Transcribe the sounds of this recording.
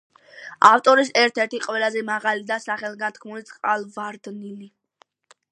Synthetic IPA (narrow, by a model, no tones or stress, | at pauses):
aft̪ʼɔɾisɛɾt̪ʰɛɾt̪ʰiqʼwɛlazɛmaʁalid̪asaχɛlˠɡant̪̚ʰkʰmulit̪sʼqʼalˠvaɾd̪nili